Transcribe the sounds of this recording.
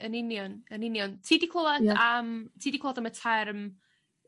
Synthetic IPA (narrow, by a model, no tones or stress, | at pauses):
ənɪnjɔnənɪnjɔntʰiːdikʰl̥ˠɔladamtʰiːdikʰlɔadamətʰɛrm